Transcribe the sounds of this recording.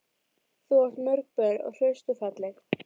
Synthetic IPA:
θuɔr̥t̪mœɾk̚pɛɾɔ̰ɣr̥œɥst̪ʏfɛt̪lɛx

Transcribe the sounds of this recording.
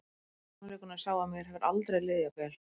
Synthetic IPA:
nalɪknasaːwamjɛɾ̥ɦɛvɪɾʔa̰lt̪ɾejlɪːðapɛːl

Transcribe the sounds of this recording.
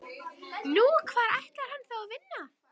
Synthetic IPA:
nuːkʰv̥aːɾajht̪laɾ̥hanːθawavɪnːa

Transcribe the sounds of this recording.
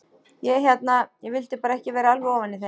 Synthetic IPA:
jɛçjɛt̪najɛɣvɪlt̪ɪpaːɾaɛhcɪvɛːɾaalvɪɔːvanːɪθɛ

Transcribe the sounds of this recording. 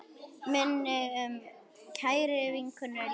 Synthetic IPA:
mɛn | cʰaːjɾɪviŋkʰʏna

